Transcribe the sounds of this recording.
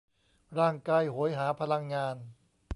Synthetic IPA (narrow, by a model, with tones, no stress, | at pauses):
ɾaː˥˩ŋkaː˧jho˩˦jɦaː˩˦pʰa˧la˧ŋːaː˧n